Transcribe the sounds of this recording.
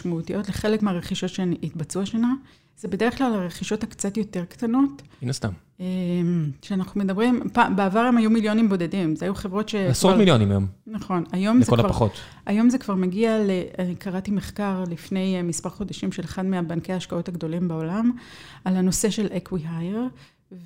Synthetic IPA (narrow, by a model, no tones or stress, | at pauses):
ʃmautijʔo̞tleχe̞lekmeaʁeχiʃo̞tʃenitbat͡suaʃana | zebede̞ʁeχklalaʁeχiʃo̞thakt͡satjo̞te̞ʁktano̞tinast̪a̰m | emʃeanaχnume̞dɐbʁimpabeavaʁemajumiljo̞nimbo̞de̞dimzeajuχe̞vʁo̞tʃe̞asmiljonimajo̰mnaχo̞najo̞mekolvʁaχot̪ | ajo̞mzekv̥aʁmeɡialeaikʰaʁatimeχkaʁlifne̞jmispaʁχo̞d̪aʃimʃe̞leχadmeabankejaːʃkao̞thaɡdo̞limbao̞lam | alano̞se̞ʃe̞lʔekwiɦajeʁ